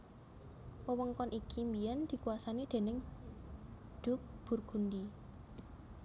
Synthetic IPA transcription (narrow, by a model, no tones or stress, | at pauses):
pəwəŋkɔnʔikʰimbijɛnd̪̥i̤kuwasanid̪̥e̤nɪŋ | d̪̥ʊ̤k̚b̥ṳrɡ̥ṳndi